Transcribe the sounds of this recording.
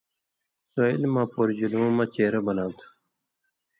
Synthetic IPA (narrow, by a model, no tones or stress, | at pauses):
soilmãːpoːɾd͡ʑuluːmãːt͡ɕeːɾɐbɐnaːt̪ʰu̥